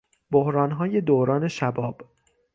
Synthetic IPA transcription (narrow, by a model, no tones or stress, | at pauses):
bohɾɒːnɦɒːje̞d̪oːɾɒːne̞ʃæbɒːb̥